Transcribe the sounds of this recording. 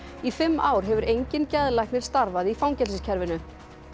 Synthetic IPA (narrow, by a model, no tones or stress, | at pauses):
ifɪmːaːwɾ̥ɦɛvʏɾejɲcɪncɛðlajhknɪɾ̥st̪aɾvaðifawŋɲcɛlsɪscʰɛɾvɪnʏ